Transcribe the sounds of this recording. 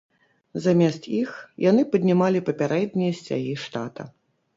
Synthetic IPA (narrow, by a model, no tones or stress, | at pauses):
zamʲɛst̪ixjanɨpɐd̪ʲnʲimalʲipɐpʲaɾɛd̪ʲnʲijɐsʲt͡sʲa̰ɣʲiʂt̪a̰t̪ɐ̰